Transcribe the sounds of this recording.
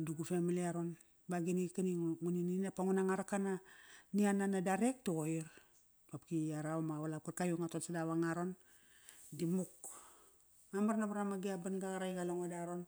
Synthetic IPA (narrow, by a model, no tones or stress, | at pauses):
duɡufemiliaɾo̞n | baɡinikaniŋunininapaŋunaŋaɾakananiananadaɾek̚tuoiɾ | apkiaɾaamaβalap̚kaɾkajuŋatotsadaβaŋaɾo̞n | dimuk | mamaɾnabaɾamaɡiabanɡaɣaɾajɡaloŋodaɾon